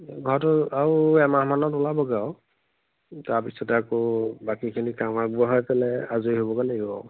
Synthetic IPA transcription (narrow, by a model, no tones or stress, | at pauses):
ɡʱɔɹɔtɔauɛmamanɔtʊlabɔɡaw | taɹpisɔtɛakɔbakikʰinikamakbuaɦɔjpɛlɛazueɦobɔkaleɡɔ